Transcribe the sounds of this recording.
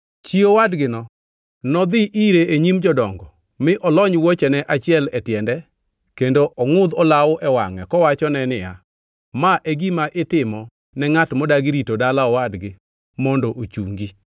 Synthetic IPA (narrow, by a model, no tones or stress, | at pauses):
t͡ʃiowadɡɪnɔ | nɔd̪ɪʔiɾeeɲimd͡ʒɔdɔŋɡɔ | mɪʔɔlɔɲwot͡ʃɛnɛʔat͡ʃɪɛlɛtjɛndɛ | kendoʔɔŋʊd̪ɔlawɔʔɛwaŋɛkɔwat͡ʃɔnɛnɪja | maʔeɡimaʔɪtɪmɔ | nɛŋatmɔdaɡiɾitodalaɔwadɡɪ | mɔndoʔot͡ʃuŋɡi